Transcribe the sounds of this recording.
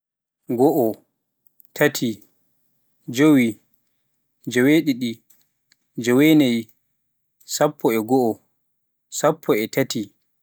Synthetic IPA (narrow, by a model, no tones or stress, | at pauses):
ɡɔʔɔ | tʰatʰi | d͡ʒowi | d͡ʒɔweɗiɗi | d͡ʒɔwenaj | sapʰːɔɛɡɔɔ | sapʰːɔɛtati